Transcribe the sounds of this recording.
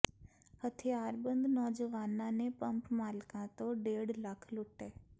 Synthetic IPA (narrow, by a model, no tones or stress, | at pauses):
hət̪ʰijaːɾbə̃nd̪nɔːd͡ʒəʋaːnãnepɐ̃mpmaːlkãt̪õɖeːɽləkʰlʊʈeː